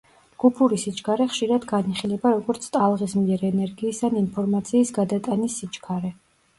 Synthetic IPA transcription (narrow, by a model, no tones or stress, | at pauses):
ɡ̥upʰuɾisit͡ʃʼkʰaɾɛχʃiɾad̪ɡaniχilɛbaɾɔɡɔɾt̪sʰt̪ʼalˠʁismiɛɾɛnɛɾɡiːsaninpʰɔɾmat̪sʰiːsɡad̪at̪ʼanisːit͡ʃkʰaɾɛ